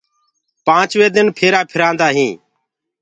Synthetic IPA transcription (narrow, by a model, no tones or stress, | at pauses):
pãːt͡ʃʋeːd̪ɪnpʰeːɾaːpʰɪɾãːnd̪aːɦĩː